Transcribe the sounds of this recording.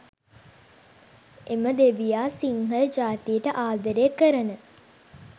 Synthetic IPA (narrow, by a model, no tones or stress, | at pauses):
eməd̪eʋijaːsiŋɦələd͡ʒaːt̪ijəʈəʔaːd̪əɾekəɾənə